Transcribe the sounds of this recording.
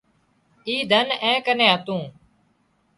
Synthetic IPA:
iːd̪ʱənɛ̃ːkənẽːɦət̪ũː

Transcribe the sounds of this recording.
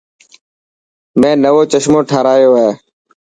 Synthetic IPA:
mẽːnəʋoːt͡ʃəʃmõːʈʰaːɾaːjoːɦeː

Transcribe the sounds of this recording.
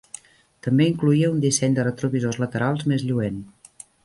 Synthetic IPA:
t̪əmbeiŋkluiəund̪isɛɲd̪ərət̪ɾuβizozlət̪əɾalˠzmezʎuen

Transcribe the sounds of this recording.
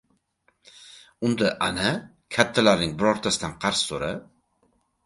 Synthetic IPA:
ʊnd̪aʔana | kʲʰat̪ʰːalaɾnɪŋbɪɾɒɾt̪ʰasɪd̪anqʰɑɾssoɾa

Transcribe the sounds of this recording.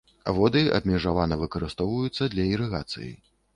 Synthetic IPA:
avɔd̪ɨɐ̰bʲmʲɛʐavanɐvɨkɐɾɨst̪ɔwvɐjut̪sːɐd̪lʲɐiɾɨɣat̪sɨ̰jḭ

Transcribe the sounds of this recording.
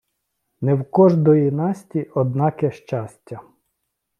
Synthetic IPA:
nɛwkɔʒd̪ɔjinɑsʲtʲiɔd̪nɑkɛʃt͡ʃɑsʲtʲːɐ

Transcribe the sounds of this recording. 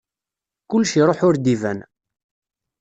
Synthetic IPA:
kʊlːʃiɾˤoħʊɾd̪ivæ̰n

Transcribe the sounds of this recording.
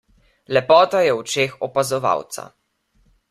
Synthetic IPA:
lɛpɔːt̪ajɛwt͡ʃeːxɔpazɔʋa̰wt̪sa̰

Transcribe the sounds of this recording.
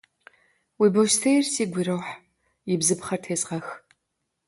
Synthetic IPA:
wiːbowʃtʰejrsiːɡʷiɾɐwħ | jɪbzɨpχɐrtʰeːzʁɐx

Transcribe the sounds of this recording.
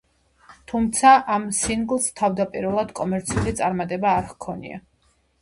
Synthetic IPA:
t̪ʰumt̪sʰaʔamsiŋɡlˠst̪ʰavd̪apʼiɾɛlˠad̪̥kʼɔmɛɾt̪sʰiulit̪sʼaɾmat̪ʼɛbaːɾχkʰɔnḭa̰

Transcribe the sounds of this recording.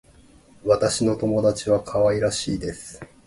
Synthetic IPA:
βat̪aɕino̞t̪o̞mo̞d̪at͡ɕiβakʰaβaiɾaɕḭːd̪e̞sɨ̥

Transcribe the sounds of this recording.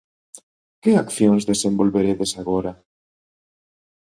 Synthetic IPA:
kɪakθjoŋzðesẽmbolβeɾeðesaɣoɾa

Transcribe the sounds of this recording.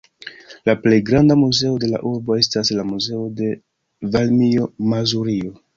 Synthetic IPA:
laple̞jɡɾandamuze̞o̞de̞la̰ʔuɾbo̞e̞staslamuze̞o̞de̞ | valmio̞mazuɾio̞

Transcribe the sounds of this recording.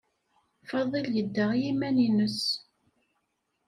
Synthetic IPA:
fɑðˤiljəd̪ːəʁjimæninəs

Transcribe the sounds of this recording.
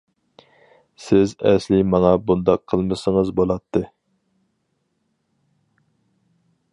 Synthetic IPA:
sɪzɛ̰slɪmɑŋɑbund̪ɑqʰːəlˠmɨsəŋəzbolˠɑt̪ʰːɨ

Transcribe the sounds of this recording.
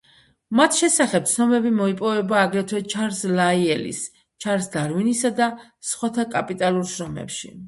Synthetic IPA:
mat̪ʰʃɛsaχɛp̚t̪sʰnɔmɛbimɔipʼɔvɛbaːɡɾɛt̪ʰwɛt͡ʃʰaɾslaiɛlḭs | t͡ʃʰaɾsd̪aɾvinisad̪asχwat̪ʰakʼapʼit̪ʼaluɾʃɾɔmɛ̰pʃḭ

